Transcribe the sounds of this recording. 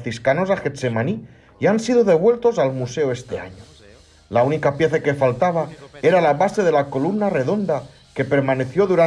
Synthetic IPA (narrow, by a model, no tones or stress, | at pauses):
θiskano̞zaxet̪semani | iansiðoðe̞β̞welt̪o̞salmuseoest̪e̞a̰ɲo | launikapjeθakefalt̪aβ̞aeɾalaβaseð̞e̞lako̞lumnare̞ðo̞nd̪a | ke̞pe̞ɾmane̞θjo̞ðuɾa